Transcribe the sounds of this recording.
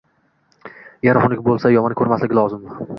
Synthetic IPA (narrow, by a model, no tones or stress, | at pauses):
jaɾɒχnɪkʲbolˠsajɒmɒnkʰʲɵɾmaslɪɡʲɪlˠɒzɪm